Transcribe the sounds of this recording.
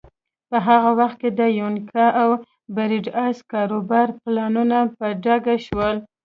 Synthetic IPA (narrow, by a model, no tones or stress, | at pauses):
pəɦaɣawaxt̪̚ked̪əjonkʰaʔaw | baɾiɖɑskɑɾobɑɾplɑnunapəɖaɡaʃwəl